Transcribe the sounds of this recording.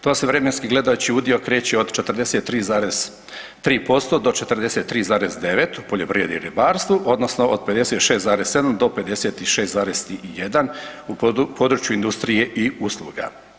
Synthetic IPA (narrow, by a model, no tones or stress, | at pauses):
t̪oːseʋɾe̞me̞nskiɡle̞d̪ajut͡ɕiud̪io̞kɾe̞ːt͡ɕeod̪t͡ʃet̪r̩ɾd̪eset̪ːɾiːzaːɾez̥ | t̪ɾiːpo̞st̪o̞d̪o̞t͡ʃet̪ɾd̪ese̞t̪ːɾiːzaːɾezd̪e̞ʋet̪upo̞ʎo̞pɾjed̪ḭɾibaːɾst̪ʋuʔo̞d̪no̞sno̞ʔod̪̚pe̞d̪e̞set̪ʃe̞ːst̪zaːɾesse̞d̪amd̪o̞pe̞d̪e̞seːt̪iʃest̪zaːɾest̪ijed̪anupʰod̪ɾut͡ʃjuind̪ust̪ɾije̞ʔiuslˠṵːɡa̰